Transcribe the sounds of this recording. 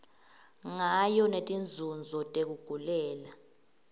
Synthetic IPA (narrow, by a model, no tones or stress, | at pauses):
ŋajɔnetʼind͡zʱund͡zʱɔtʼek̬uɡ̥ʱulɛːla